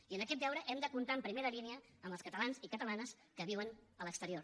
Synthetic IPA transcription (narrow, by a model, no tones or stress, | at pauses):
iənəkɛt̪̚b̪ɛwɾəʔɛmd̪əkunt̪ampɾimeɾəliniə | əmbəlskət̪əlanzikət̪əlanəs | kəβiwənələkst̪əɾioɾ